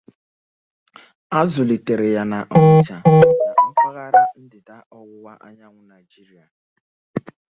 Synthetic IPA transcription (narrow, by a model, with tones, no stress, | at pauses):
a˦zʊ˨li˨te˨ɾe˨ja˨na˨ʔɔ˦ɪ˦t͡ʃa˨˦ɔ˦ka˨ŋ̩˦kʷa˦ɣa˦ɾa˦n̩˦dɪ˨da˦ʔɔ˦ɣʊ˦wa˦ʔa˦ɲa˦ŋʷʊ˦na˨jd͡ʒi˦ɾi˦a˨